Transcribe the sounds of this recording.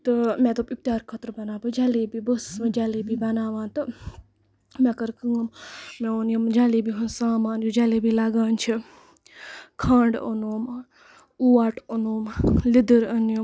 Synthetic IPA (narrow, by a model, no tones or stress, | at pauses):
t̪ɨmɛ̃ːt̪oːpip̚t̪jaːɾkʰət̪ɾbɐnaːbid͡ʒaleːbibəsmẽd͡ʒaːliːbʱibɐnaːʋãːnt̪ɨ | mẽkəɾkəŋmmẽonjomd͡ʒaːliːbʱiɦunsaːmãːnd͡ʒoːd͡ʒaːleːbʱilaɡaːnt͡ʃʰi | kʰãːɳɖo̰noːm | uaːʈənoːmlid̪əɾɐnjo